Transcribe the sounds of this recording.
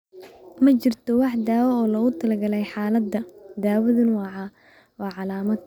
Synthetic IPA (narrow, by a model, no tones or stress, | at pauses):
mɐt͡ʃɪrt̪ʰɔwɑħd̪aːwɔɔːlɐɣʊt̪ʰɐlɐɡɐlɛjħɑːlɐd̪ːɐd̪aːwɐðʊnwɑːʕɑ | wɑːʕɑlaːmɐd̪̚